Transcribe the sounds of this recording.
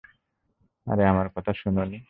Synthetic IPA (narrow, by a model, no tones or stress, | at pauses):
a̰ɾeamaɾkɔt̪ʰaʃunoni